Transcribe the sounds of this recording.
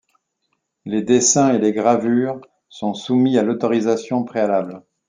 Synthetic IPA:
led̪esɛ̃eleɡʁavyːʁ | sɔ̃sumialɔt̪ɔʁizasjɔ̃pχealabl

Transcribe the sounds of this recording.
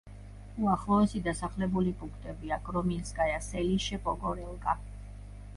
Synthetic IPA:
uaχlˠɔɛsid̪asaχlɛbulipʼũŋkʰt̪ʼɛbiaɡʼɾɔminsɡʼajasɛliʃɛpʼɔɡɔɾɛlˠkʼa

